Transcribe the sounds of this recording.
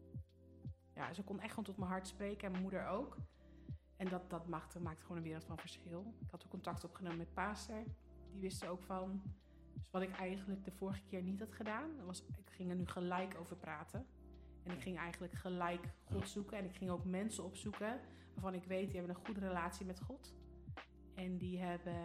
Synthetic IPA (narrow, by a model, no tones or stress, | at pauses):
ja̰ːsəkɔnɛχtontɔtmənɦɑɹtsprejkəɛnməmudəɹowk | ɛndɑtdɑtmaχtmaːk̚tə̥χoːnənʋɪːɾəlˠtfɑnvəɹsχɪlˠɪkhɑtokːɔntɑk̚tɔpχənoːməmɛt̚paːstəɹ | diʋɪstəowkfɑn | dsʋɑtɪkɛjχənlək̚dəvʊːɹχəkɪːɹnitɦɑtχədaːnʋɑsɪkχɪŋəɹnyχəlɛjkowvəɹpraːtʰə | ɛnɪkχɪŋɛjχəndələkχəlɛjkχɔtsukəɛnɪkχɪŋowkmɛnsəɔpsukə | ʋaːɹvɑnɪkʋejt̚diɦɛbənə̃nχudərelaːtsimɛtχɔt | ɛndiɦɛbə